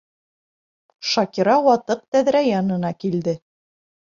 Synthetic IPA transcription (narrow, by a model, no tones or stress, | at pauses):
ʃɑkʲiɾɑwɑt̪ɤq̚t̪æðɾæjɑnɤ̆nɑkild̪ɘ